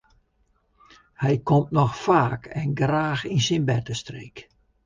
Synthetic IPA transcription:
hɛjkʰomtnɔxfaːkʰɛnɡraːxinsinbɛtəstreːk

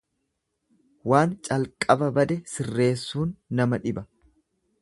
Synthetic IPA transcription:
waːnt͡ʃʼɐlkʼɐbɐbɐd̪ɛsɪrːe̞ːsːuːnːɐmɐᶑɪbɐ

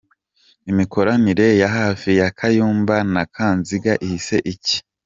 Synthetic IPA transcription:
imiko̞ɾaniɾe̞jaɦaːfijakʰajuːmbanakʰaːnziɡaʔihise̞ʔici̥

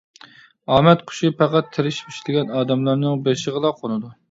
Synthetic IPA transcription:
ɑːmɛt̪qʰʊ̥ʃipʰæqæt̪ʰːɪɾɪʃpʰi̥ʃlɪɡʲɛnɑːd̪ɛmlˠɑɾnɨŋbeɾʃəʁəlˠɑqʰonɨd̪u

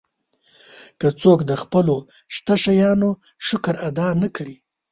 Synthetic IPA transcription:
kət͡sokd̪əxpəlo | ʃt̪aʃajɑno | ʃʊkɾad̪ɑnakɽi

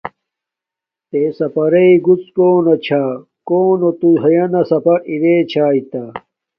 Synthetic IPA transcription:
t̪esɐpɐɾeiɡut͡skoːnɐt͡ɕʰaː | koːnot̪uɦɐjɐnɐsɐpɐiweːt͡ɕʰaːit̪ɐ

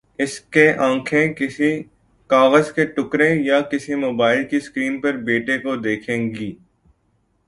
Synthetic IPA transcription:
ɪskeʔãːkʰẽkɪsi | kaːɣəzkeʈʊkɾẽjakɪsimoːbaːɪlkiskɾiːnpɐɾbeːʈekod̪eːkʰẽːɡiː

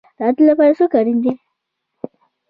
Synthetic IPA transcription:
dat̪lapaɾasukaɾind̪e

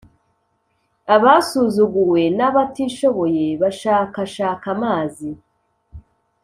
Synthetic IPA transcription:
aβasuzuɡuwe̞naβatiʃo̞βo̞jeβaʃaːkaʃaːkamaːzi

